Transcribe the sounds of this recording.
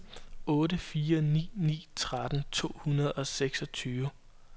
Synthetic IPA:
ɔ̽ːɾəfiːɐnḭːnḭːt͡sʰʁad̥n̩t͡sʰo̝̰ːhunɐð̞ˠɒ̽seɡ̥sɒ̽t͡sʰyːʋ

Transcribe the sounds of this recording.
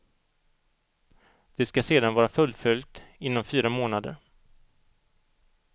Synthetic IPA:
d̪̥ɛskaseːd̪anvɑːɾafɵlfʏlt̪ɪnːɔmfyːɾamoːnad̪ə̰ɾ

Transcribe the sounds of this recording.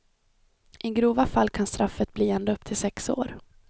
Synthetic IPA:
ʔɪɡɾuːvafalːkʰanst̪ɾʔafːət̪̚bliːɛnd̪əɵp̚ːt̪ʰɪlsɛkso̰ːɾ

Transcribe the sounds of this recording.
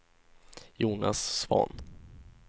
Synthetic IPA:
juːnasːvɔ̰n

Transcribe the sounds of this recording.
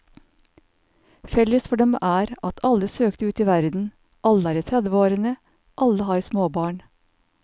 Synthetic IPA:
fɛləsfɔɖɛmʔæːɾɑt̪ʰɑləsøːkt̪əʉːt̪iːʋæɾd̪n̩ | ʔɑləæːɾəːt̪ʰɾæd̪ʋəoːɾɪŋə | ʔɑləhɑːɾsmoːbɑːɳ

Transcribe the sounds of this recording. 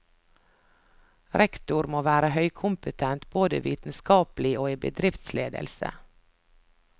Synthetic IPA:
ɾʔɛkt̪ʊɾmoːʋæːɾəhœʏkʰʊmpət̪ʰɛnt̪b̥oːd̪əːʋḭːt̪n̩skɑːpl̩ɪoːiːbə̰d̪ɾɪft̪sleːd̪ə̰lsə̰

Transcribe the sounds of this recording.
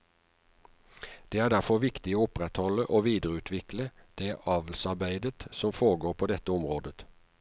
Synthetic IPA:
d̪̥eːæːɖæʁfɔʁʋɪkt̪ɪoːʊpʁɛt̪hɔləʔoːʋiːd̪əʁəʉːt̪ʰʋɪkləd̪̥eːʔɑːʋl̩sɑʁbæɪd̪ət̪sɔmfoːʁəɡoːɾpʰoːd̪ɛt̪ːəʊmʁoːd̪ə

